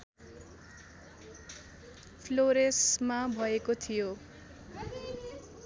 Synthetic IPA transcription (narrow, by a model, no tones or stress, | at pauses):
pʰloɾesmabʱʌekot̪ʰijo